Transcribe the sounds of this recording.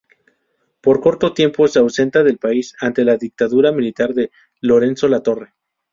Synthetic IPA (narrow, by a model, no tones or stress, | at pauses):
po̞ɾko̞ɾt̪o̞t̪je̞mpo̞seawse̞nt̪aðe̞lpaisant̪e̞laðik̚t̪aðuɾamilit̪aɾðe̞ | lo̞ɾe̞nso̞lat̪o̞re̞